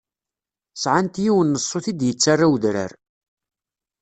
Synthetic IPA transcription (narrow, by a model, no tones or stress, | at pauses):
sʕant̪jiwənːəsˤːoθid̪jət͡sːarˤːawðɾə̰ɾ